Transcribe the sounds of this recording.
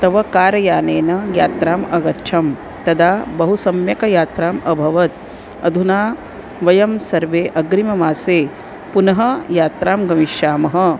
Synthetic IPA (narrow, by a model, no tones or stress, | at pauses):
t̪ɐʋɐkaːɾɐjaːneːnɐjaːt̪ɾaːmɐɡɐtt͡ʃʰɐm | t̪ɐd̪ʱaːbɐɦusɐmjɐkɐjaːt̪ɾaːmʔɐbʱɐʋɐt̪̚ | ɐ̰d̪ʱunaː | ʋɐjɐmsɐɾʋeːʔɐɡɾimɐmaːseː | punɐɦɐjaːt̪ɾaːmɡɐmiʃaːmɐɦɐ̆